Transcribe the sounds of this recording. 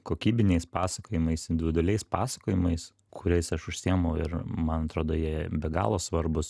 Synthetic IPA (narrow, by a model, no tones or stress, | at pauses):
koːkʲiːbʲɪnʲɛɪspɑːsɐkoːjɪmɐɪsɪnd̪ʲʋʲɪd̪ʊlʲɛɪspɑːsɐ̥koːjɪmɐɪs | kʰʊɾʲɛɪsɐʃʊʃʲsʲiɛmɐʊɪ̰ɾmɐnɐt̪ɾoːd̪oːjiɛbʲɛɡɑ̰ːlˠoːsʋɐɾbʊs